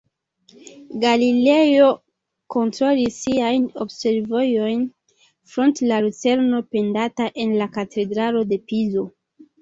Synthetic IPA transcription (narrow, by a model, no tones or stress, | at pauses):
ɡalile̞jo̞ | ko̞ntɾo̞lisiajno̞̰bse̞ɾvo̞jo̞jn | fɾo̞ntlalut͡se̞ɾno̞pe̞ndataʔe̞nlakatʰe̞dɾalo̞de̞pizo̞